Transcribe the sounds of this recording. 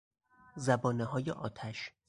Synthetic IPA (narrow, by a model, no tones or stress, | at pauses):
zæbɒːneɦɒːjeʔɒ̰ːt̪ʰæʃ